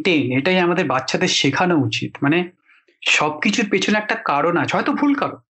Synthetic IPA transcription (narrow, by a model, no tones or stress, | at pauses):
ʈeneʈajamad̪eɾbatːʃʰad̪eɾʃekʰanout͡ɕḭt̪mane | ʃɔb̚kit͡ɕʰuɾpet͡ɕʰoneɛk̚ʈakaɾonat͡ɕʰeɦɔjt̪obʱulkaɾon